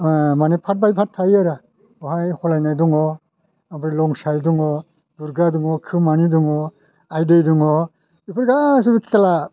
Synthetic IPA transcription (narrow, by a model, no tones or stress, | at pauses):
manipʰat̚bajpʰatʰːajaɾa | ɔɦajhɔlajnajduŋɔ | abʰɾilɔŋsajduŋɔ | duɾɡaduŋɔkʰɯmaniduŋɔ | ajdɯjduŋɔ | ipʰɯɾɡas̬ɯbikʰi̥kala